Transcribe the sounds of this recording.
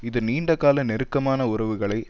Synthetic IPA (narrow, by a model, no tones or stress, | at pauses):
ɪðɯniːɳɖɐkːaːlɐnɛɾɯkːɐmaːnɐʊɾɐʋɯɣɐɭɐɪ